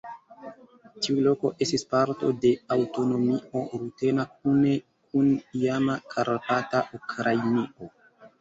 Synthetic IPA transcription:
tiulo̞ko̞̰ʔe̞stispaɾto̞̰de̞awto̞no̞mio̞ɾute̞nak̚une̞ | kunijamakʰaɾpataʔukɾʔajnio̞

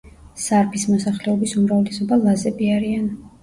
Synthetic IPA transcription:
saɾpʰismɔsaχlɛɔbisumɾavlɛsɔbalˠazɛbiaɾian

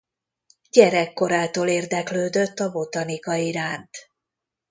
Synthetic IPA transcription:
ɟɛɾɛkːo̞ɾaːt̪oːleːrd̪ɛkløːd̪øt̪ːɒbo̞t̪ɒnikɒiɾaːnt̪

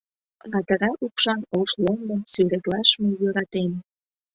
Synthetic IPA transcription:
mɑt̪əɾɑʔupʃɑnoʃlond̪esyɾeklɑʃmejøɾɑt̪em

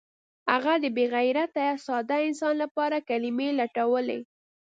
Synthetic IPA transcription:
haɣad̪əbeɣajɾat̪aasɑd̪aɪnsɑnlapɑɾakalimelaʈawəlḛ

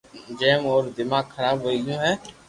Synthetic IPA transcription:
d͡ʒɛːmɔːɾd̪ɪmaːɡxʰəɾaːbɦoiɡjõːɦɛː

